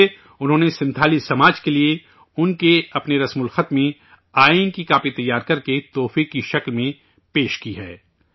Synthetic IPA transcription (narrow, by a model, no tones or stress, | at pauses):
ʊnɦõːnesɪ̃nt̪ʰaːlisɐmaːd͡ʒkelie | ʊnkeɐpneɾɐsmʊlxət̪mẽ | aːinkikaːpit̪ɐjːaːɾkɐɾket̪ɔːfiːkːiʃɐklmẽ | peːʃkiɦɛː